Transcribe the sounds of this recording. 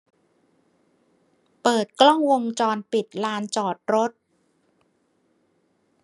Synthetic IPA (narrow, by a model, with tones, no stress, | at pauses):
pɤː˨˩t̪̚klɔ˥˩ŋwo˧ŋt͡ɕɔː˧npi˨˩t̪̚laː˧˥nt͡ɕɔː˨˩t̪̚ɾo˦˥t̪̚